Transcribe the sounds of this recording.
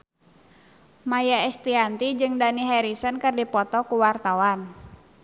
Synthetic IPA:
majaɛst̪iant̪id͡ʒɨŋdaniɦɛɾisənkɨrdipɔt̪ɔkuwart̪awan

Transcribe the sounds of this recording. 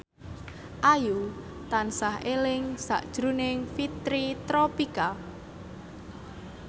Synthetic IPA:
ʔaju | t̪ansahelɪŋsa̰ʔd̥ʒ̥ɾunɪŋfit̪ɾit̪ɾɔpika

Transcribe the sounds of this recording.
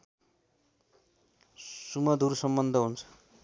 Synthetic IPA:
sumʌd̪ʱuɾusʌmbʌnd̪ʱʌɦunt͡sʰʌ̥

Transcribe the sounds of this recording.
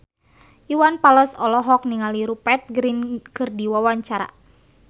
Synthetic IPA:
iwanpaləsɔlɔɦɔk̚niŋaliɾupɛt̪̚ɡɾinkɨrdiwawaɲt͡ʃaɾa̰

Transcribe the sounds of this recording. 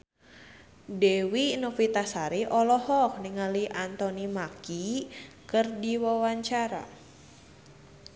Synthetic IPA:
dewinofit̪asaɾiʔɔlɔhɔk̚niŋaliʔant̪ɔnimaki | kɨrdiwawaɲt͡ʃaɾa̰

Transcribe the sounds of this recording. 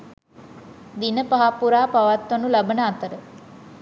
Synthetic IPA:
d̪inəpaɦapuɾaːpaʋat̪ːɐnulabənəat̪əɾə

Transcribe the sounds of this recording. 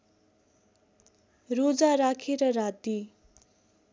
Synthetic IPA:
rod͡zaɾakʰeɾʌrad̪i

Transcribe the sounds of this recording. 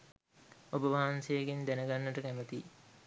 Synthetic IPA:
obəʋaɦansejeɡind̪ænəɡanːəʈəkæmət̪i

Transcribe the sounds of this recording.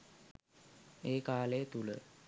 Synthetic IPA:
eːkaːlejət̪ulə̰

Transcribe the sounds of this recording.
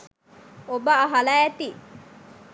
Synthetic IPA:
obəːɦɐlɐɛt̪i

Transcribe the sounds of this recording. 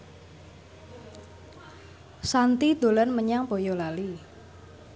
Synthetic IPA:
sant̪id̪o̤lanməɲaŋpojɔlali

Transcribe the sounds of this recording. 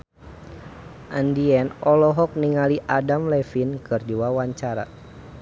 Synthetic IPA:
ʔandiɛnɔlɔɦɔk̚niŋaliʔadamlɛfinkɨrd͡ʒuwawaɲt͡ʃaɾa̰

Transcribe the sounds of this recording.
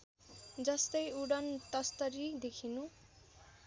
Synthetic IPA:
d͡zʌst̪ʌjuɽʌnt̪ʌst̪ʌɾid̪ekʰinu

